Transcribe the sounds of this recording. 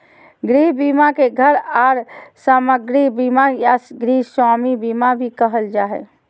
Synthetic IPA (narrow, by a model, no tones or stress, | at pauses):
ɡɾiɦbimakeɡʱəɾaːɾsaməɡɾibimajaɡɾiɦswaːmibimabʱikəɦəld͡ʒaɛ̰